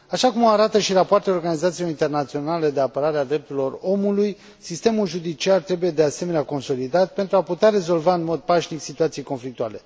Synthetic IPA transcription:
aʃakumoaɾat̪əʃirapoart̪eo̞rɡanizat̪silo̞ɾint̪e̞rnat̪sio̞nale̞d̪e̞apəɾaɾead̪ɾe̞p̚t̪uɾilo̞ro̞muluj | sist̪e̞mulʒud̪it͡ʃiart̪ɾe̞buje̞d̪e̞ase̞me̞neako̞nso̞lid̪at̪̚pe̞nt̪ɾuaput̪eaɾe̞zo̞lvaɨnmo̞d̪̚paʃniksit̪uat̪sijejko̞nflik̚t̪uale̞

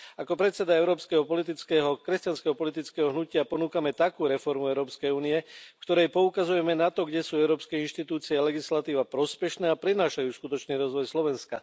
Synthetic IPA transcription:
akɔpɾɛt̪sɛd̪aɛʊɾɔːpskɛɦɔpɔlit̪̬it͡skɛːɦɔkɾɛscanskɛɦɔpɔlit̪̬it͡skɛːɦɔɦnucɪapɔnuːkamɛt̪akuːɾɛfɔɾmuɛʊɾɔːpskɛjuːnijɛfkt̪ɔɾɛjpɔukazujɛmɛnat̪ɔɡɟɛsuːɛʊɾɔːpskɛinʃt̪it̪uːt͡siɛalɛɡislat̪iːʋapɾɔspɛʃnɛːapɾɛnaːʃajuːskut̪ɔt͡ʃniːɾɔzʋɔjslɔʋɛnska

